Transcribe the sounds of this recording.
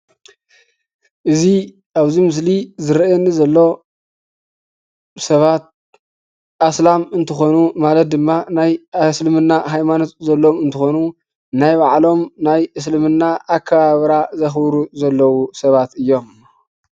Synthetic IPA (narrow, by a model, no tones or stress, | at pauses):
ʔɨzi | ʔaβzimɨs̬lizɨɾenːizɐlːo̞ | sɐβat̪̚ | ʔaslamɨnt̪ʰɨxo̞numalɐt̪̚d̪ɨmːanajslɨmɨnːaɦajmano̞t̪zɐlːo̞mɨnt̪ʰɨxo̞nu | najbaʕlo̞mnajʔɨs̬lɨmɨnːaʔːkʰːɐβaβɾazɐxbɾuzɐlːɐwusɐβat̪ɨjːo̞m